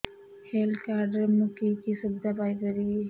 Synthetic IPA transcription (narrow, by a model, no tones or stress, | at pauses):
helkaɾɖəɾmukikisubd̪apajkəɾi